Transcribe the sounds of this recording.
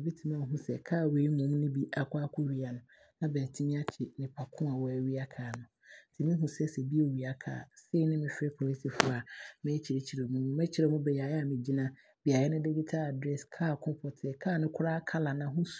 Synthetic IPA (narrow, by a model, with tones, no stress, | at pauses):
bi˦tʰi˨mã˦˨ɦũ˦sɛ̰˨kʰaː˦˨we˨˦i˦mʊ̃˨˦m˦nɪ̃˦bi˦ʔa˨kʷʰa˦kʰʊ˦ɥi˦a˨nʊ̃˨ | nã˦bɛː˨tʰi˦mĩ˦a˦t͡ɕʰɪ˨nɪ̃˨pʰa˨kʰʊ̃˦a˨wɔ˦æ˨ɥi˦a˦kʰaː˨nʊ̃˨tʰɪ˨mɪ̃˦ɦũ˨sɛ˦sɛ˨bi˦e˦wi˨a˦kʰa̰ː˨se˦nɪ̃˦mɪ̃˨fɪ˦ɛ˦pʰo˨li˦si˨fʊ˦a˨mɛ̃˦t͡ɕʰi˨ɾe˨˦t͡ɕʰi˨ɾe˨mũ˦nũ˦mɛ̃˦t͡ɕʰi˨ɾɛ˨mʊ̃˦bɛ˨ja˨ja˦˨mɪ̃˨d͡ʑi˦nã˦ | b̥i˨a˨jɛ˦nɪ̃˦de˦ɡi˦tʰa˦a˨dɾɛ˦skʰaː˦˨kʰʊ̃˦pʰɔ˨tʰɛ˨kʰaː˦˨nɪ̃˦kʰʊ˦ɾaː˦kʰa˦la˨nã˨ɦũ˦s